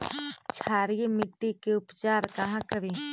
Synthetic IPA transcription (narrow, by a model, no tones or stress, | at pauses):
t͡ʃʰaːɾijemɪʈːikeʊpt͡ʃaːɾkɐɦãkəɾĩː